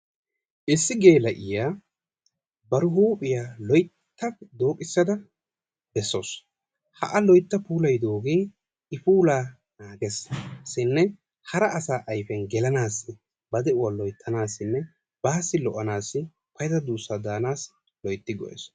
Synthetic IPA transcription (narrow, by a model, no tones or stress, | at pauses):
ʔɪsːɪɡe̞ːlɐʔɪjaː | bɐɾʊɦuːpʼɪjaːlɔjt̪ːɐd̪o̞ːkʼɪsːɐd̪ɐ | bɛsːo̞̰ːs | hɐ̰ʔɐlɔjt̪ːɐpuːlɐjd̪o̞ːɡiː | ɪpuːlaː | naːɡɛssɪnːɛ | hɐɾɐːsaːʔɐjfɛnɡɛlɐnaːsːɪ | bɐd̪ɛʊwalɔjt̪ʰːɐnaːsːɪnːɛ | b̥aːsːɪlɔʔɐnaːsːɪ | pɐjt̪ɐd̪uːsːad̪aːnaːs | lɔjt̪ːɪɡɔ̰ʔɛ̰s